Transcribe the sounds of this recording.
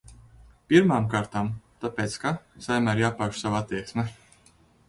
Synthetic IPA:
piɾmaːmkaːɾt̪aːmt̪apʲeːt̪skasajmaɾjaːpaʃsavaat̪ːiɛksmɛ

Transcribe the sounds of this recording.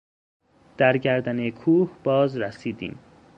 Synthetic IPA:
d̪̥æɾɟæɾd̪ænekʰuːhb̥ɒːzɾæsiːd̪ḭːm

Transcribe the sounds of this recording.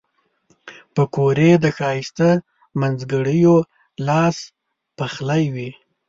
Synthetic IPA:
pəkoɾed̪əxɑjist̪ə | manzɡəɽəjo | lɑs | paxlajwi

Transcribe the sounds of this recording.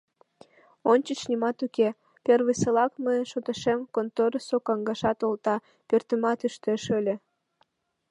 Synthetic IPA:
onʲt͡ɕət͡ɕnimɑt̪uke | perβəselɑkmənʃot̪əʃemkont̪oɾəsokɑŋɡɑʃɑt̪olt̪ɑ | pørt̪əmɑt̪yʃt̪eʃølʲe

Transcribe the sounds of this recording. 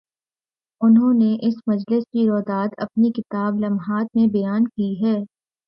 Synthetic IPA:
ʊnɦõːneʔɪsmɐd͡ʒlɪskiɾɔːd̪aːd̪ɐ̰pnikɪt̪aːblɐmɦaːt̪̚mẽbɐjaːnkiɦɛː

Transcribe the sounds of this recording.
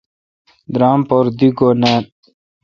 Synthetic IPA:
d̪ɾaːmpoɾd̪iɡone

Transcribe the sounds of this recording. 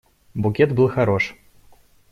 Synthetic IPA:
bukʲɛt̪bɨlˠxaɾɔʂ

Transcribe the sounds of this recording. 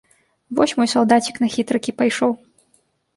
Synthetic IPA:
vɔ̰sʲmɔjsawd̪at͡sʲiknɐxʲit̪ɾɐkʲipajʂɔw

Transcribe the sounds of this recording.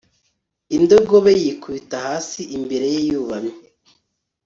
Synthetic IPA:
indo̞ɡo̞βejikuβitahaːsiʔimbeɾe̞jejuβamɲe

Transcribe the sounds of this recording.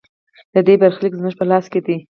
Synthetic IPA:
d̪əd̪ebaɾxlikzməʒpəlɑsked̪i

